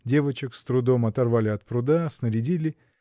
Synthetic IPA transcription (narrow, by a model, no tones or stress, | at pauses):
dʲe̞vət͡ɕɪkst̪ɾʊd̪o̞mɐt̪ɐrvalʲɪɐt̪̚pɾʊd̪asnəɾʲɪdʲilʲɪ